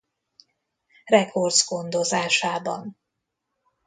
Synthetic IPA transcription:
rɛko̞rd̪zɡo̞nd̪o̞zaːʃaːbɒ̰n

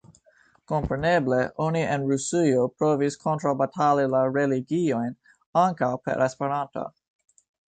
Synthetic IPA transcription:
ko̞mpɾe̞ne̞ble̞ʔonienɾusiopɾoviskʰontɾabatʰalilaɾeliɡio̞jn | aŋkawpḛɾʔespeɾanto̰

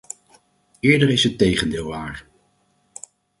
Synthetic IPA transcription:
ɪːɹdəɹɪsɦətːejχəndɪːlˠʋaːɹ

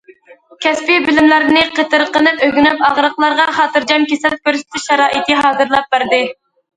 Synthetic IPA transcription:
kʲʰɛspɪbɪlɪmlæɾnɪqʰət̪ɨɾqənɨpøɡʲynypɑʁɾəqlˠɑɾʁɑχɑːt̪ɨɾd͡ʒɑnkʲesɛl̚kʲøɾsɪ̥t̪ʰɪʃɛɾɑːʔit̪ɨɦɑːzɨɾlˠɑp̚bæɾd̪ɪ

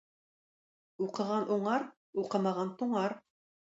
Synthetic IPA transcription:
uqɤ̆ʁɑnʔuɴɑɾ | uqɤ̆mɑʁɑnt̪uɴɑɾ

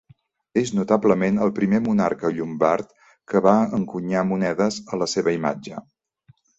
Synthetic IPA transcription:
eznut̪abləmenəlˠpɾimemunarkəʎumbart̪ | kəβaəŋkuɲamunɛðəzələseβəima̰d͡ʒə

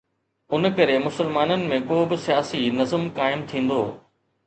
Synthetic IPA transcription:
ʊnkɐɾemʊsəlmaːnənɪ̆mẽkoːbɪsijaːsinɐzəmkaːɪmt̪ʰĩːn̆d̪oː

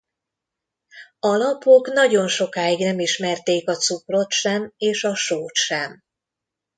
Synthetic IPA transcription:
ɒlɒpokn̪ɒɟo̞nʃo̞kaːiɡnɛmiʃmɛrt̪eːkɒt̪supro̞t̪ʃɛmeːʃɒʃoːt̪ʃɛm

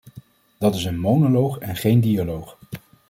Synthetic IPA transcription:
d̥ɑtɪsənmownolowχɛnχejndialowχ

